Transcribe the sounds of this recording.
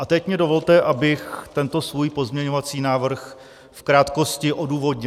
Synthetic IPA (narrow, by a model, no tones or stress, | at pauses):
ʔat̪ɛcmɲɛdo̞vo̞lt̪ɛʔabɪxt̪ɛnt̪o̞svuːjpo̞zmɲɛɲo̞vat͡siːnaːvr̩x | fkɾaːt̪ko̞scɪʔo̞duːvo̞dɲɪ